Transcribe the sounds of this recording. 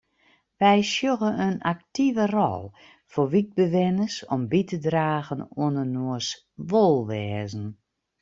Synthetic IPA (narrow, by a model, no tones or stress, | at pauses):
ʋɛjsjoɣəənak̚tivərɔ̰lˠ | foʋit̚bəʋɪnəsɔmbitədraːɣənuənənuəs | ʋolˠʋɛːzən̩